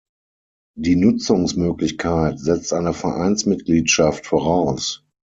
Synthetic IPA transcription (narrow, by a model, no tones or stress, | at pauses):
diːnʊt͡sʊŋsmøːklɪçkʰaɪtzɛt͡stʔaɪnəfɛɐʔa̰ɪnsmɪtɡ̥liːtʃaftfoːʁaʊs